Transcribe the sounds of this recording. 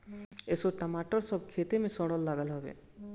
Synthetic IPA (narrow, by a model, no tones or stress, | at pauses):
eːsoʈəmaːʈəɾsɔb̚kʰeːt̪emẽsɔ̃ɽəlːaːɡəlɦɔbḛ